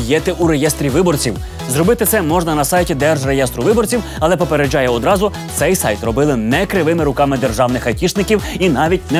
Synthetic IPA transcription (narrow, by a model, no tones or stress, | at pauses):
jɛt̪ɪʔuɾejɛst̪ɾʲiʋɪbɔrt͡sʲiw | zɾɔbɪt̪ɪt̪sɛmɔʒnɐnɐsɑjtʲid̪ɛrʒrejɛst̪ɾʊʋɪbɔrt͡sʲiw | ɐlˠɛpɔpeɾed͡ʒɑjɛɔd̪ɾɑzʊ | t̪sɛjsɑ̰jt̪rɔbɪlˠɪnɛkɾɪʋɪmɪɾʊkɑmɪd̪e̞rʒɑwnɪxɐtʲiʃnɪkʲiwinɑʋʲit̚ʲnɛ